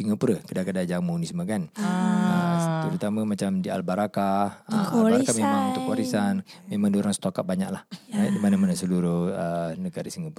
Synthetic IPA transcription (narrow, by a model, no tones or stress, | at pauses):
siŋapuɾəkədakədad͡ʒaŋməunisəmaɡanət̪əɾut̪aməmat͡ʃamdia̰lbaɾakahəalaɾakamemãŋunt̪ʊkwaɾisanmemaŋdioɾaŋsə̥t̪okat̪̚baɲa̰klahaidimanamanasəluɾʊhənəɡaɾisiŋapu